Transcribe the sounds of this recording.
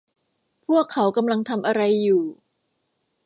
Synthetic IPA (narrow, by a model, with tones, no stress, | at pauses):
pʰu˥˩əkʰːa˩˦wka˧mla˧ŋt̪ʰa˧mʔa˧ɾa˧jːuː˨˩